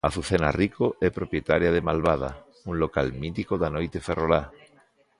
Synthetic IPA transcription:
aθuθenarikoʔɛpɾopjet̪aɾjaðemalβað̞a̰ | uŋlokalmit̪ikoðanojt̪eferola

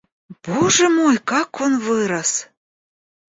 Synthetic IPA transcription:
b̥oʒə̆mojkɑkʰːonβɨɾəs

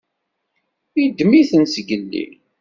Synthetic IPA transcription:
id̪miθənsɡəlːḭ

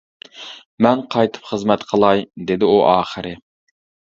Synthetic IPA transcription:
mɛnqʰɑjt̪ʰɨ̥pχəzmɛt̪qʰəlˠɑjd̪ed̪ɪuʔɑːχəɾɪ

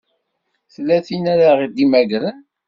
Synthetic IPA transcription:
θlːæθinæɾaʁid̪imæʝɾən

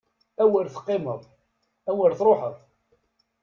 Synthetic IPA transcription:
æwəlθə̥qːɪməðˤ | æwəɾθɾˤoħəðˤ

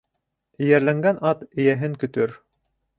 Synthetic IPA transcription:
ɘ̆jæɾlæŋɡænɑt̪ɘ̆jæɦɘŋkɵ̆t̪ɵɾ

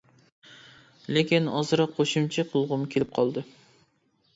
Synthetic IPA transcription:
lekʲinɑzɨɾɑqʰːoʃumt͡ʃʰiqʰʊlˠʁʊmkʲʰelɪp̚qʰɑlˠd̪ɨ

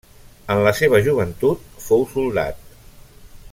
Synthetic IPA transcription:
ənləseβəʒuβ̞ənt̪ut̪̚fowsulˠd̪a̰t̪̚

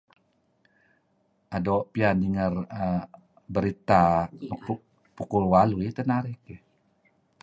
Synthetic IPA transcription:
ʔadoʔpianiŋərə | bəɾit̪anuu | pukulwaluit̪ənaɾiki

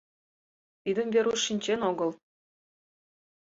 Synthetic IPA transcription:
t̪id̪əmveɾuʃːinʲt͡ɕenoɣəl

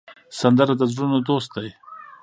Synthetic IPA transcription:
sand̪əɾad̪əzɾunod̪ost̪̚d̪aj

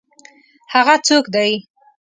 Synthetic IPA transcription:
haɣat͡sokd̪aj

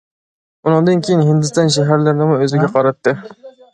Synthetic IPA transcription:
ʊnɨŋd̪ɨnkʲʰejɪnɦɪnd̪ɪst̪ɑnʃ̬aɦaɾlaɾnɪmʊɵzɪɡʲaqʰɑɾɑt̪ːɪ

